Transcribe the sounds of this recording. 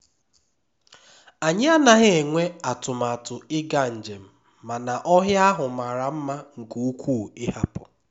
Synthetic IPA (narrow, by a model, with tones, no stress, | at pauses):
a˨ɲɪ˦a˦na˨ɦe˦e˨ŋʷe˦a˨tʊ˨ma˨tʊ˨ɪ˦ɡa˦n̩˨d͡ʒe˨m̩˦ | ma˨na˨ʔɔ˦ɦja˦ɦʊ˨ma˨ɾa˨m̩˦ma˦ŋ̩˨ku˨u˦kʷu˦˨ɪ˦ha˦pʊ̰˨